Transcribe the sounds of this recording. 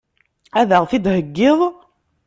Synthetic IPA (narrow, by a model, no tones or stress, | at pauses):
æðæʁθɪd̪həɡːɪðˤ